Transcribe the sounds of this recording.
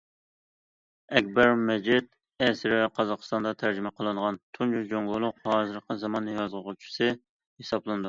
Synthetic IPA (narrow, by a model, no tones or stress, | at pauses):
ɛk̚ʲbɛɾmɛd͡ʒit̪̚ | ɛsɪɾɪɛqʰɑzɑqə̥st̪ɑnd̪ɑt̪ʰæɾd͡ʒimɛqʰəlˠɨnʁɑnt̪ʰunt͡ʃud͡ʒoŋlˠʊlˠʊqhɑːzɨɾqəzɑmɑnːɨjɑzʁʊʁʊt͡ʃʰi̥sɨ | hesɑblˠɨnɨd̪u